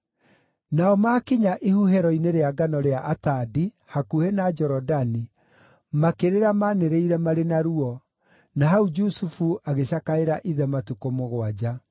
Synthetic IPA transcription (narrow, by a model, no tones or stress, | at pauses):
naɔmakiɲaʔihuɦɛɾɔineɾeaɡanɔɾeaʔatadi | hakuhenad͡ʒɔɾɔdani | makeɾeɾamaneɾeiɾɛmaɾenaɾuɔ | naɦaud͡ʒusufuaɣeɕakaeɾaʔiðɛmatukomoɣwad͡ʑa